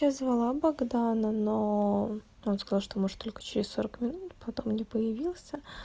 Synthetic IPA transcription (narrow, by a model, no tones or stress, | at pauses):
azvɐlˠabɐɡd̪anəno | onskɐzalˠʂt̪omoʐɨt̪ːo̞lʲkə̥t͡ɕɪɾʲɪso̞ɾəkmʲɪnut̪pɐt̪o̞mnʲepəjɪvʲilˠsʲə